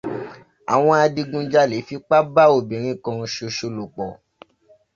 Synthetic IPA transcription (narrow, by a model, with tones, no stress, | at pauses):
a̰˨w̃ɔ̃˧a˧di˧ɡũ˧d͡ʒa˦le˨˦fi˦k͡pa˦ba˦o˨bĩ˨ɾ̃ĩ˧˨kã˧ʃo˧ʃo˧lo˨k͡pɔ˨